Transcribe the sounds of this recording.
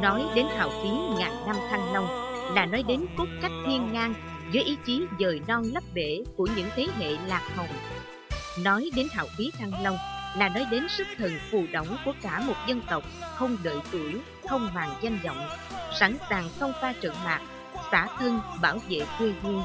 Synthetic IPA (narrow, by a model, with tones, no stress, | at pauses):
nɔ˨˦jɗe˨˦nha̰ː˧˨wfi˨˦ŋaː˨˩jna˧mt̪ʰa˧ŋlə˧wŋ͡mlaː˨˩nɔ˨˦jɗe˨˦nku˦˥t̚t͡ɕa˦˥jk̟̚h̪ʰi˧ənːaː˧ŋ | zəː˨˦jʔi˨˦t͡ɕi˨˦zəː˨˩jnɔ˧nlə˦˥p̚ɗe˧˩˨ku˧˩əɲɨ̰˧˥ŋt̪ʰe˨˦ɦḛ˧˨laː˨˩k̚hə˨˩ŋ͡m | nɔ˨˦jɗe˨˦nɦa̰ː˧˨wfi˨˦t̪ʰa˧ŋlə˧wŋ͡mlaː˨˩nɔ˨˦jɗe˨˦nsɨ˦˥k̚t̪ʰə˨˩ŋfṵ˧˩ɗə̰˧˩wŋ͡mku˧˩əkaː˧˩mo˨˩t̚zə˧nt̪ə˨˩wk͡p̚xə˧wŋ͡mɗə̰ː˧˨jt̪u˧˩ | xʰə˧wŋ͡mvaː˨˩ŋza˧ŋ̟zə̰˧˨wŋ͡msa˧˩nsaː˨˩ŋxə˧wŋ͡mfaː˧t͡ɕə̰˧˨ŋmaː˨˩k̚ | saː˧˩t̪ʰɨ˧əŋɓaː˧˩wvḛ˧˨kwi˧vu˧n